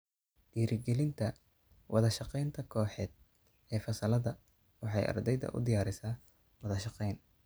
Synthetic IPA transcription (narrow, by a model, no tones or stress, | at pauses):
d̪̥iːɾɪɡɛlɪnt̪ʰɐ | wʔɑðɐʃɑqɛjnt̪ʰɐkʰɔːħɛːd̪̚ | ɛːfɐsɐlɐðɐ | wɑħɑjʔɑ̰rd̪ɛjðɐ̰ʔʊ̰d̪ɪjaːɾɪsaː | wɑðɐʃɑqɛjn